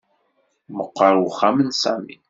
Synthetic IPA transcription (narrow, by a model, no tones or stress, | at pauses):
məqːəɾˤwχamənsæmḭn